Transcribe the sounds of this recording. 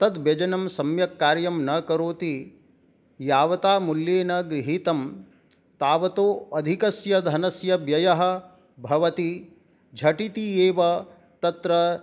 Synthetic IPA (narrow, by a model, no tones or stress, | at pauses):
t̪ɐd̪bjɐd͡ʒɐnɐmsɐmjɐkːaːɾjɐmnɐkɐɾoːt̪i | jaːʋɐt̪aːmuljeːnɐɡɾiɦit̪ɐm | t̪aːʋɐt̪oːɐd̪ʱikɐsjɐd̪ʱɐnɐsjɐbjɐjɐɦɐ̆ | bʱɐʋɐt̪i | d͡ʒʱɐʈit̪ieːʋɐ | t̪ɐt̪ɾɐ